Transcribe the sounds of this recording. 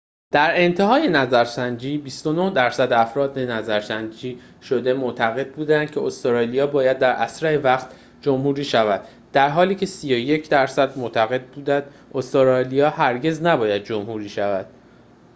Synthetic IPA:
d̪̥æɾe̞nt̪ʰeɦɒːje̞næzæɾsænd͡ʒiːbist̪o̞no̞hd̪æɾsæd̪æfɾɒːd̪e̞næzæɾsænd͡ʒiː | ʃo̞d̪e̞mot̪ʰæɣe̞d̪̚buːd̪ænd̪̥̚cʰe̞ost̪oɾɒːlijɒːbɒːjæd̪̚ːæɾʔæsɾæevæχt̪ | d͡ʒomhuːɾiːʃævæd̪̥ | d̪̥æɾɦɒːliːcʰe̞siːjo̞je̞cʰd̪æɾsæd̪mot̪ʰæɣe̞d̪̚buːd̪ænd̪̥ | ost̪oɾɒlijɒːhæɾɟe̞znæbɒːjæd̪̚d͡ʒo̞mhuːɾiːʃævæd̪̥̚

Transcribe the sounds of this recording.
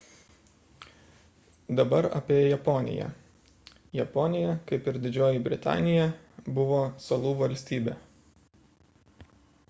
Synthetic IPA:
d̪ɐbɐɾɐ̰pʲeːjjɛpɔnʲɪ̰jɛ̰ | jɛpɔːnʲɪjɛkɐɪpɪɾd̪ʲɪd͡ʒʲoːjɪbʲɾʲɪt̪ɑ̰ːnʲɪjɛ | bʊʋoːsɐlˠuːʋɐlʲsʲt̪ʲiːbʲɛ̰ː

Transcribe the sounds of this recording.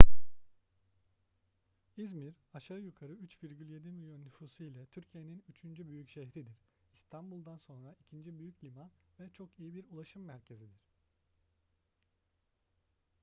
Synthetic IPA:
izmiɾ | aʃaɾjykʰaɾɯyt͡ʃviɾɟylʲje̞d̪imilʲjo̞nːyfuːsuilʲɛt̪ʰyɾcʰijeninyt͡ʃʰynd͡ʒybyjycʃeɦɾid̪iɾ̥ | ist̪ʰanbulˠd̪anso̞nɾaicʰind͡ʒibyjycʰlʲimanvɛt͡ʃʰo̞kijibiɾulˠaʃɯmːæɾcʰe̞zid̪iɾ̥

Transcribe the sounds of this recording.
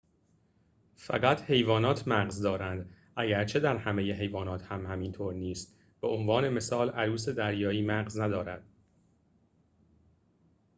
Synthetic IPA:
fæ̰ɢæt̪ʰhe̞jvɒːnɒːt̪ʰmæɢzd̪ɒːɾænd̪ | ʔæɡæɾt͡ʃʰe̞d̪æɾhæmejeɦe̞jvɒːnɒːt̪ʰhæmhæmint̪ʰoːɾniːst̪ | b̥eʔonvɒːne̞me̞sɒːlʔæɾuːse̞d̪æɾjɒːiːmæɣznæd̪ɒːɾæd̪̥

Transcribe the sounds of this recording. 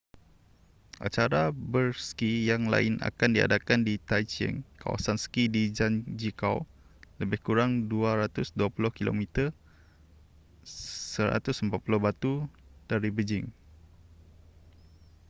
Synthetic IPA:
ʔa̰t͡ʃaɾabərskijaŋla̰ɪnʔa̰kandia̰dakandit̪ajt͡ʃə̰nka̰wa̰sansə̥kidid͡ʒand͡ʒikaw | ləbɪhkuɾaŋduaɾat̪ʊsduapulʊhkilo̰mit̪ər | səɾa̰t̪ʊsəmpat̪̚pulʊhbat̪ud̥aɾibəd͡ʒɪŋ

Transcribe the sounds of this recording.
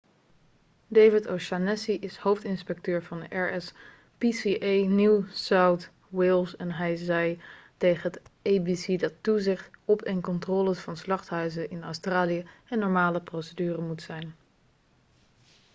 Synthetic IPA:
dejvɪtowʃanɛsiʔɪshowftɪnspɛk̚tøːɹvɑndəʔɛɹɛs | pisiʔejnusawt | wɪlˠsɛnɦɛjzɛjtejχəɦətejbisidɑtuzɪχtɔpɛnkɔntrɔːləsfɑnslɑχtɦœɥzəʔɪnœwstraːlijəɛnːɔɹmaːləprowsədyːrəmutsɛjn

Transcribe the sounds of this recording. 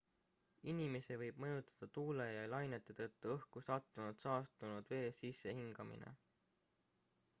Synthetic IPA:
inime̞sevɤjb̥̚mɤjut̪ːˑɑ̥d̪̥ɑt̪uːlejɑlɑjnet̪ːˑet̪ɤ̞t̪ːuɤhkusɑt̪ːˑunud̪sɑːst̪unud̪̥ve̞ːsisːe̞hiŋɡ̥ɑmḭnḛ

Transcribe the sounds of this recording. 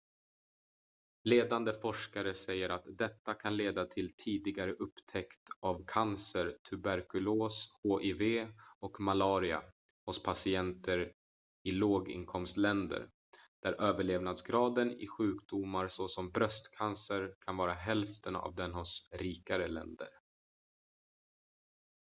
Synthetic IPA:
leːd̪and̪əfɔʂkaɾəsɛjːəɾat̪d̪ɛt̪ːakʰanleːd̪at̪ʰɪlt̪ʰiːd̪ɪɡaɾəʔɵpːt̪ʰɛkt̪avkʰansəɾt̪ʰɵbæɾkɵloːshoːʔeveːɔkmalɑːɾɪa̰ | hʊspʰasɪɛnt̪ʰəɾ | ɪloːɡɪ̰nkʰɔmst̪lɛnd̪ə̰ɾ | d̪̥æɾʔøːvəɭeːvnad̪sɡɾɑːd̪ənɪ̰ɧʉ̟ːkd̪ʊmaɾsɔsɔmbɾœst̪kʰansəɾkʰanvɑːɾaɦɛlft̪əna̰vd̪ɛnhʊsɾiːkaɾəlɛ̰nd̪ə̰ɾ

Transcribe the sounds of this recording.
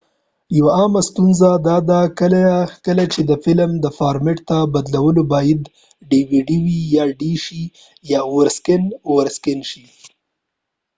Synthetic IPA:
jawaɑmast̪unzad̪ɑd̪akəlakəlat͡ʃed̪əfɪlmd̪əfɑɾmeʈt̪abad̪lawəlobɑjad̪ | ɖiwiɖiwijɑɖiʃi | jɑwəɾskɪnwəɾskɪnʃi

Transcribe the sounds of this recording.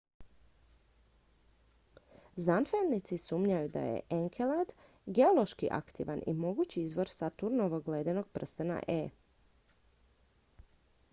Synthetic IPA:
znanfelnit̪sisuːmɲajud̪a̰jḛʔeŋkʰelad̪ | ɡe̞olˠo̞ʃkiʔa̰kt̪ḭʋanʔḭmo̞ɡut͡ɕiizʋo̞ɾsat̪uɾnoʋoɡleːd̪enoɡ̥̚pr̩st̪əna̰ʔeː

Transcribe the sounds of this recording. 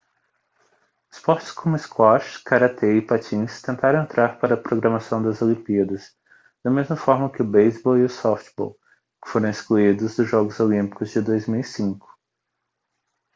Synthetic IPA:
ɪ̥spɔɾt͡ʃɪ̥skʰõmʊɪskwɔʃkaɾat̪ʰeɪpat͡ʃĩst̪ẽnt̪aɾɐ̃ẽnt̪ɾaɾpaɾɐpɾoɡɾɐmasɐ̃w̃d̪ɐzolĩmpiɐd̪ɐs | d̪̥ɐmezmɐfɔɾmɐkɪʊbejzbɔwiʊsɔft͡ʃbɔ̰w | kɪ̥foɾɐ̃w̃iskluid̪ʊzd̪ʊzʒɔɡʊzolĩpi̥kʊzd͡ʒɪd̪ojzmiwisĩkʊ̥

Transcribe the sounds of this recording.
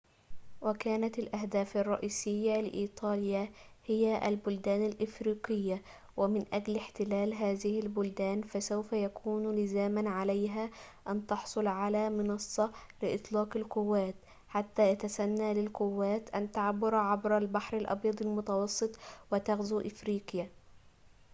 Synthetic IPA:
wakaːnat̪ɪlʔahd̪aːfɑrˤːɑ̰ʔiːsɪjːalɪ̰ʔiːt̪ˤɑːljahɪjaʔa̰lbʊld̪aːnalʔɪfɾiːqɪjːa | wɪmɪnʔaɡlɪħt̪ɪlaːlɦaːðɪhɪlbʊld̪aːnfasawfajakʰuːnlɪzaːmanʕalajɦaːʔant̪ɑħsˤʊlʕalaːmɪnɑsˤːɑlɪʔɨ̰t̪ˤlɑːqɪlqʊwːaːt̪ | ħat̪ːaːjat̪asanːalɪlqʊwːaːt̪ʔant̪aʕabːʊɾʕabɾalbaħɾalʔɑ̰bjɑd̪ˤɑlmʊt̪ɑwɑsˤːɨt̪ˤwɪt̪aɣzuːʔɪfɾiːqja

